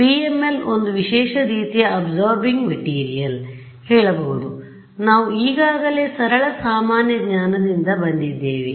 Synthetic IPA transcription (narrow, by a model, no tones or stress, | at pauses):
piːemːelo̞nd̪uʋiʃɛːʃɐɾiːt̪ijɐɐbzoːɾbiŋɡmɐʈiːɾijɐl | hɛːɭɐbɐɦud̪u | naːʋuiːɡaːɡɐle̞ːsɐɾɐɭɐsaːmaːnjɐɡɲaːnɐd̪ind̪ɐbɐnd̪id̪ːeːʋi